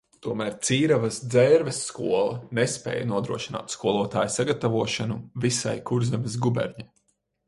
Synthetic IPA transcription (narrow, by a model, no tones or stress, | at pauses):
t̪uɔmæːɾt̪siːɾavɐsd̪zɛɾvesːkuɔlˠɐ̰nespɛ̰ːjanuɔd̪ɾuɔʃina̰ːt̪skuɔlˠuɔt̪aːjsaɡat̪avuɔʃanuvisa̰jkuɾzɛmʲes̬ɡubɛ̰ɾɲa